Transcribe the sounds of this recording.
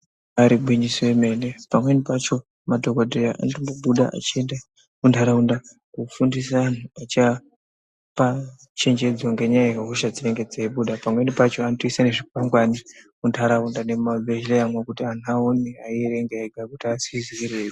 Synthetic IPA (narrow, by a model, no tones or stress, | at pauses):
aɾiɓwiɲisiweme̞nepamwe̞nipat͡ʃo̞ | madʱokadojaʔa̰ntondoɓuɗa̰ʔa̰t͡ʃienda | kuntʰaɾaunda | kufundis̬aːnuat͡ʃa | pa | t͡ʃe̞ɲd͡ʒe̞d͡zwaŋɡe̞ɲajaekaɦuʃad͡ziɾeŋɡed͡zeiɓuɗapamwe̞nipat͡ʃoantoisane̞ʐik̚waŋɡwanikuntʰaɾaundanemabeʒlejamwakutian̤uaoniaiɾe̞ŋɡeeɡʱakutiasiziɾeːki